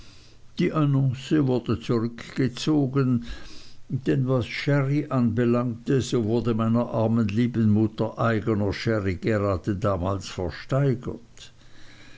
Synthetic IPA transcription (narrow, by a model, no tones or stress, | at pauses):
d̥iːʔanɔ̃ŋsəvʊɐdət͡suʁʏkɡ̥ət͡soːɡən | d̥ɛnvasʃɛʁiʔanbəlaŋtəzovʊɐdəmaɪnɐʔaʁmənliːbənmʊtɐʔaɪɡənɐʃɛʁiɡ̥əʁaːdədaːma̰ːlsfɛɐʃtaɪɡə̰t